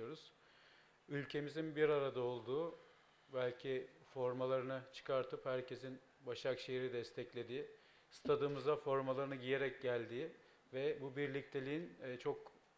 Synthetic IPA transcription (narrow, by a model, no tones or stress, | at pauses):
oɾuz̥ | ylʲcʰe̞mizinbiɾaɾad̪ao̞lˠd̪uː | bælʲcʰifo̞ɾmalˠaɾɯnɯt͡ʃʰɯ̥kʰaɾt̪ʰɯphæɾcʰe̞zin | baʃakʃe̞jiɾid̪ɛst̪ʰɛclʲe̞d̪iː | st̪ʰad̪ɯːmɯzafo̞ɾmalˠaɾɯnɯɟije̞ɾɛc̚ɟælʲd̪iː | vɛbubiɾlʲic̚t̪ʰe̞lʲiinːt͡ʃʰo̞k̚